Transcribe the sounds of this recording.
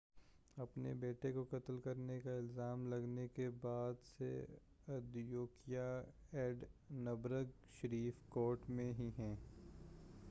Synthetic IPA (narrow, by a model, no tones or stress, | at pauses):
ɐpnḛbeːʈekokɐt̪lkɐɾnekaɪlzaːmlɐɡnekebaːd̪sḛ | ɐd̪joːkijaɛːɖnɐbɾəɡ | ʃəɾiːfkoːɾʈmẽɦiɦɛ̃ː